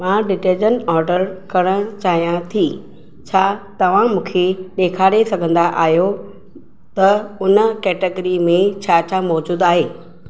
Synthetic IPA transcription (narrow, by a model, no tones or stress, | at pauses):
mãːɖɪʈeːd͡ʑənɔːɾɖəɾkɐɽ̃ə̃t͡ɕaːɦijãt̪ʰiː | t͡ɕʰaːt̪ɐʋ̤ãmũːkʰeɗeːkʰaːɽesɐɡʱə̃nd̪aʔaːɦjo | t̪ɐʊnəkɛːʈeɡɾimẽt͡ɕʰaːt͡ɕʰamɔːd͡ʑuːd̪aːɦeː